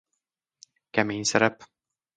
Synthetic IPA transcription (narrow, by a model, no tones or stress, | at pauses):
kæminsæɾæp